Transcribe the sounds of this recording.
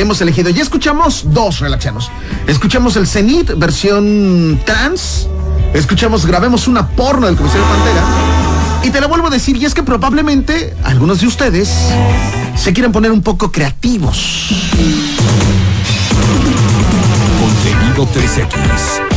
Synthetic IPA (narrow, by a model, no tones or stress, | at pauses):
emo̞se̞le̞xiðoʝaeskut͡ʃamo̞zd̪o̞s̬re̞laksjemo̞s | es̬kut͡ʃemo̞s̬e̞lse̞nit̪be̞ɾsjo̞nt̪ɾans | es̬kut͡ʃemo̞zɣɾaβemo̞sunapoɾnoðelkomsaɾjopant̪eɾa | it̪e̞loβwe̞lβo̞aðe̞siɾieske̞pɾo̞βaβle̞mẽ̞nt̪e̞ | a̰lɣunozðeust̪e̞ðe̞sː | e̞k̬jeɾemp̬o̞ne̞ɾumpo̞ko̞kɾe̞at̪iβo̞̰s | kont̪eniðot̪eesea̰kḭḛs